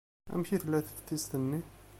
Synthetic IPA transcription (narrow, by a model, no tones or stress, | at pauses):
æ̰mçiθlæθə̥t̪ːist̪ənːi